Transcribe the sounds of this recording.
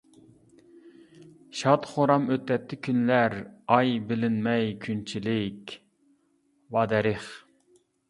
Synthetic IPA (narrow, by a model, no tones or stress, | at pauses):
ʃɑt̪χoɾɑmøt̪ːɛt̪ʰːɪkʲʰynlæɾɑjbɪlɪnmɛjkʲʰynt͡ʃʰilɪkʲ | wɑːd̪ɛɾɪχ